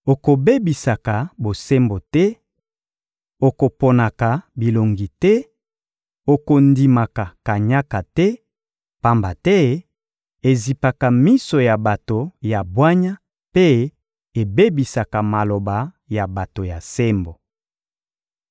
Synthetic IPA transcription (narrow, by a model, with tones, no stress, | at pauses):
o˨ko˨be˦bi˨sa˨ka˨bo˨se˦mbo˨tɛ˦ | o˨ko˨po˨na˨ka˨bi˨lo˨ŋɡi˨tɛ˦ | o˨ko˨ndi˨ma˨ka˨ka˨ɲa˦ka˨tɛ˦ | pa˦mba˨tɛ˦ | e˨zi˨pa˨ka˨mi˦so˨ja˨ba˨to˨ja˨bwa˦ɲa˦ | pe˦ | e˨be˦bi˨sa˨ka˨ma˨lo˨ba˨ | ja˨ba˨to˨ja˨se˦mbo˨